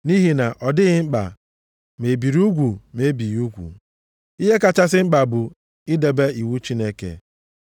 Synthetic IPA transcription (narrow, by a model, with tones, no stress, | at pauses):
ni˦ɦi˨na˨ʔɔ˨dɪ˦ɣɪ˦ŋ͡m̩˦k͡pa̰˨ | me˨bi˨ɾi˦u˦ɡʷu˨me˨˦bi˨ju˦ɡʷṵ˨ | i˦ɦe˦ka˨t͡ʃa˦s̬ɪ˦ŋ͡m̩˦k͡pa˨bʊ˨ | ɪ˦de˨be˦i˨wu˦t͡ʃi˦ne˦kḛ˨